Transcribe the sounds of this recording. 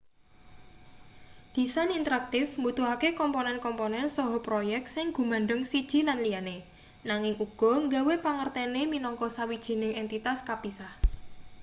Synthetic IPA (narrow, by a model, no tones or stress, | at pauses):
ɡ̥i̤sanint̪əɾak̚t̪ɪfmut̪uɦakekɔmponɛnkɔmponɛnsɔɦɔpɾojɛk̚t̪̚sɪŋɡ̥ṳmanɳɖəŋsid̥ʒ̥i̤nanlijane | naŋɪŋuɡ̥ɔ̤ŋɡawepaŋərt̪ɛneminɔŋkɔsawid̥ʒ̥i̤nɪŋɛnt̪it̪askapisah